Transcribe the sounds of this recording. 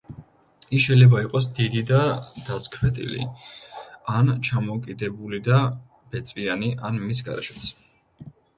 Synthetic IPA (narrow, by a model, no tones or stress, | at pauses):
isʃɛjlɛbaiqʼɔs̬d̪id̪id̪ad̪̥askʰvɛt̪ʼḭlḭ | ant͡ʃʰamɔkʼid̪ɛbulid̪a | b̥ɛt̪sʼvianiʔanmis̬ɡa̰ɾɛ̰ʃɛ̥t̪sʰ